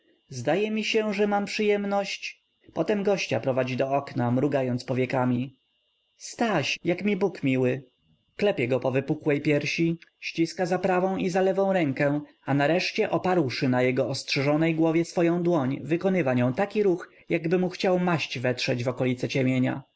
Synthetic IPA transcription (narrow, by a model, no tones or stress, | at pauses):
zd̪ajɛmʲiɕɛʐɛmampʂɘjɛmnɔɕt͡ɕ | pɔt̪ɛmɡɔɕt͡ɕa̰pɾɔvad͡ʑid̪ɔɔknamɾuɡajɔnt̪spɔvʲjɛkamʲi | st̪aɕjakmʲibukmʲiwɘ | klɛpʲjɛɡɔpɔvɘpukwɛjpʲjɛɾɕiɕt͡ɕiskazapɾavɔ̃w̃izalɛvɔ̃w̃ɾɛŋkɛ | anaɾɛʂt͡ɕɛʔɔpaɾwʂɘnajɛɡɔɔstʂɛʐɔnɛjɡwɔvʲjɛsfɔjɔ̃w̃d̪wɔɲvɘkɔnɘvaɲɔ̃w̃t̪akʲiɾux | jaɡbɘmuxt͡ɕawmaɕt͡ɕvɛt̪ʂɛd͡ʑvɔkɔlʲit̪sɛt͡ɕɛmʲjeɲa̰